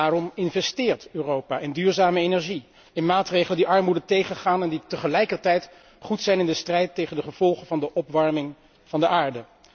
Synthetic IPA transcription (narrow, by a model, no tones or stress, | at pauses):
aːrɔmɪnvɛstɪːɹtøːrowpaːʔɪndyːɹzaːməejnɛɹʒi | ɪnmaːtrejχləndiʔɑɹmudətejχənχaːnɛnditəχəlɛjkəɹtɛjt | χutsɛjnɪndəstrɛjtːejχəndəχəv̥ɔlˠχənvɑndəʔɔpʋɑɹmɪŋ | v̥ɑndəʔaːɹdə